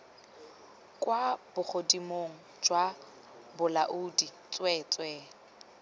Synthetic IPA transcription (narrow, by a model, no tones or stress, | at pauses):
kʼwab̥ʊχʰodimoŋ̩ | d͡ʒwa | bʊlaʔuːdit͡sʼwɛt͡sʼwɛ